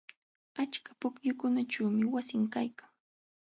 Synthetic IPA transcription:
at͡ʃkḁpʊkjʊkʊnaʈ͡ʂaːmɪwasɪŋkajkaŋ

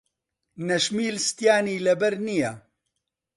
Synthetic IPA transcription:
nɐʃmiːlst̪jaːniːlɐbɐɾnija

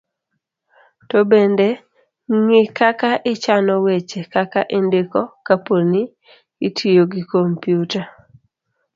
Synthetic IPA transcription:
tɔbende | ŋɪkakaʔɪt͡ʃanɔwet͡ʃekakaʔɪndɪkɔkaponi | itʰijoɡɪkompjuta

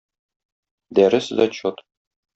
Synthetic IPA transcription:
d̪æɾɘsd̪ɒt͡ɕot̪

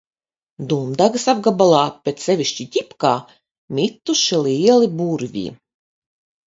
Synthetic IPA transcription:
d̪umd̪aɡɨsab̚ɡabalˠaːpʲet̪ssʲɛvʲiʃʲt͡ʃit̪ʲipkaː | mʲit̪ːuʃiliɛlˠibuɾvʲḭː

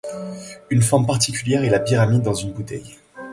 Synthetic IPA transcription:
ynfɔʁmpaʁt̪ikʲyljɛʁɛlapiʁamid̪ːɑ̃zynbut̪ɛ̰j

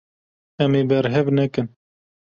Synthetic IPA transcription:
ɛmeːbɛɾɦɛvnɛkɨn

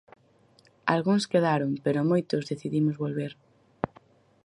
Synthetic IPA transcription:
a̰lɣuŋskeðaɾoŋpeɾʊmojt̪ʊzðeθiðimʊzβolβeɾ

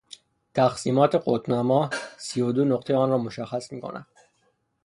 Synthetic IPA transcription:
t̪ʰæxsiːmɒːt̪ʰe̞ɢot̪nɒːmɒːsijod̪onoqt̪ʰeɒːnrɒːmoʃæxːæsmiːkʰo̰nʔæ̰d̪̥

